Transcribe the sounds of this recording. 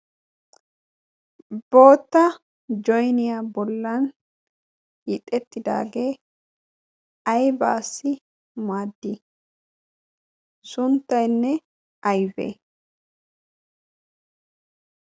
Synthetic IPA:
bo̞ːt̪ːɐ | d͡ʒɔjnɪjaːbɔlːɐn | jɪt̪ʼːɛt̪ːɪd̪a̰ːɡeː | ɐjba̰ːsːɪ | maːd̪ːɪ | sʊnt̪ːɐjnːɛ | ɐjbḛː

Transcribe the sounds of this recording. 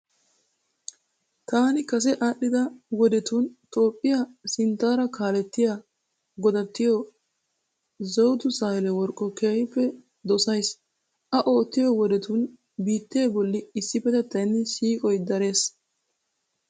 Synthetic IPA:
t̪aːnɪkɐs̬ɛʔaːɗːɪd̪ɐwɔd̪ɛt̪uːnt̪o̞ːpʼːɪjɐsɪnt̪ːaːɾɐkʰaːlɛt̪ːɪja | ɡɔd̪ɐt̪ːɪjɔ | zɔwd̪ʊsaːɪlɛwɔɾkʼːɔkeːjɪpːɛ | d̪ɔsɐjs | ʔɐʔo̞ːt̪ːɪjɔwɔd̪ɛt̪uːn | biːt̪ːe̞ːbɔlːɪɪsːɪpɛt̪ɛt̪ːɐjnːɪsiːkʼɔjd̪ɐɾe̞ːs

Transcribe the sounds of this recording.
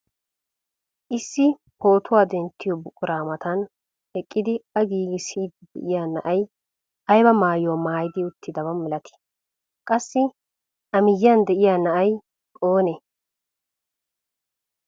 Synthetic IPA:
ʔɪsːɪ | ho̞ːt̪ʰʊwaːd̪ɛnt̪ːɪjɔbʊkʼːʊɾaːmɐt̪ɐn | ɛkʼːɪd̪ɪɐɡiːɡɪsiːd̪d̪ɛ̰ʔɪjaːnɐʔɐj | ɐjbɐmaːjomaːjɪd̪ɪʊt̪ːɪd̪ɐbɐmɛlɐt̪ʰɪ̥ | kʼɐsːɪ | ʔɐmɪjːand̪ɛʔɪjaːnɐʔɐj | oːnɛ

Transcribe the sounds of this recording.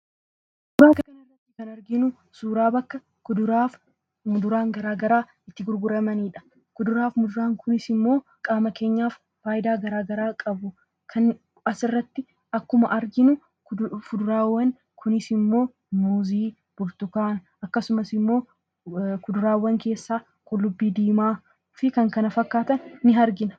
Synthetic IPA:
dʊbaːkɐkɐnɪrːɐt̪ːɪkɐnɐɾɡɪnʊ | suːɾaːbɐkːɐ | kʊd̪ʊɾaːf | mʊd̪ʊɾaːŋɡɐɾaːɡɐɾaː | ɪt̪ːɪɡʊɾɡʊɾɐmɐniːᶑɐ̥ | kʊd̪ʊɾaːfmʊd̪ʊɾaːŋkʰʊnɪsɪmːo̞ː | kʼaːmɐke̞ːɲːaːf | faːjɪd̪aːɡɐɾaːɡɐɾaːkʼɐbʊ | kʰɐn | ɐsɪrːɐt̪ːɪ | ɐkːʊmɐʔɐɾɡɪnʊ | fʊd̪ʊɾaːwːɐŋ | kʰʊnɪsɪmːo̞ː | muːziː | b̥ʊɾt̪ʊkaːn | ɐkːɐsʊmɐsɪmːo̞ː | kʊd̪ʊɾaːwːɐŋke̞ːsːaː | kʼʊlːʊbːiːd̪iːmaː | fɪkɐŋkɐnɐfɐkːaːt̪ɐnːɪɦɐɾɡɪnɐ̥

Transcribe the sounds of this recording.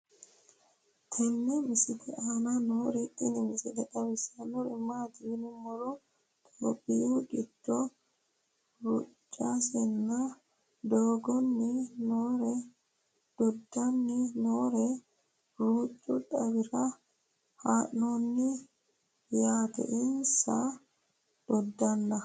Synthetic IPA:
t̪ʰɛnːɛmɪsɪt̪ʰɛʔananoːɾɛtʼːɪnɪmɪsɪt̪ɛᶑɐβɪsɐnɔɾɪ̰mːaːt̪ɪɪnɪmːɔlɔ | t̪ʰoːbɪjuːt͡ʃɪd̪ːɔ | ɾʊt͡ʃʼːasɛnːɐ | d̪oːɡɔnːinɔɾɛ | d̪̥ɔdːanːinɔːɾɛ | ɾuːt͡ʃʼːuɗawiɾa | hanːonːi | jaːt̪ɛ̰ʔinsa | d̪̥ɔdːanːa

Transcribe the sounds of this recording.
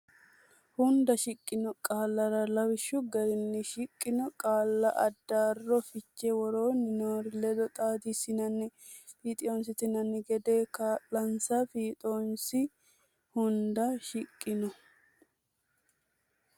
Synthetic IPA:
hʊnd̪ɐʃɪkʼːɪnɔkʼaːlːɐɾɐlɐwɪʃːʊɡɐɾɪnːɪʃɪkʼːɪnɔkʼaːlːɐʔɐd̪ːaːrːɔfɪt͡ʃːɛwɔɾoːnɪnoːɾɪlɛd̪ɔt̪ʼaːd̪isɪnɐnːɪ | fiːt̪ʼɪonsɪt̪ɪnɐnːɪɡɛd̪eːkalɐnsɐfiːt̪ʼoːnsɪ | hʊnd̪ɐʃɪkʼːɪnɔ

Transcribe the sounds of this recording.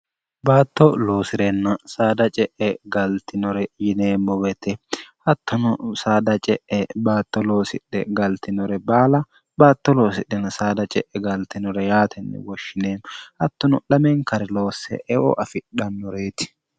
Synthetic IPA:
baːt̪ːɔlo̞ːsɪɾɛnːɐsaːd̪ɐt͡ʃʼɛʔɛɡɐlt̪ɪnɔɾɛjɪneːmːɔwɛt̪ɛhɐt̪ːɔnʊsaːd̪ɐt͡ʃʼɛʔɛbaːt̪ːɔlo̞ːsɪɗɛ̰ɡɐlt̪ɪnɔɾɛbaːlɐ | baːt̪ːɔlo̞ːsɪɗːɛnɐsaːd̪ɐt͡ʃʼɛʔɛɡɐlt̪ɪnɔɾɛjaːt̪ʰɛnːɛ̰wɔʃːɪneːnʔɐt̪ːʊnʊlɐmɛŋkɐɾɛlo̞ːsːɛ̰ʔɛʔɔ̰ʔɐfɪɗɐnːɔɾeːt̪ɪ̥

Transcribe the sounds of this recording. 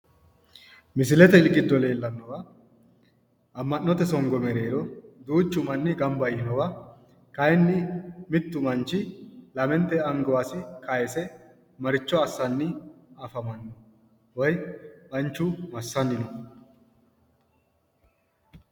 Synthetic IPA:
mɪs̬ɪlɛt̪ɛɪlɡɪd̪ːɔle̞ːlːɐnːɔwɐ | ʔɐmːɐnːɔt̪ɛsɔŋɡɔmɛɾe̞ːɾɔd̪uːt͡ʃːʊmɐnːɪɡɐmbɐjɪnɔwɐ | kɐjɛnːɪmɪt̪ːʊmɐnt͡ʃːɪlɐmɛnt̪ːɛɐŋɡɐwaːsɪkɐjɛsɛ | mɐɾɪt͡ʃːɔɐsːɐnːɪɐfɐmɐnːɔ | wɔjbɐnt͡ʃːʊmɐsːɐnːɪnɔ

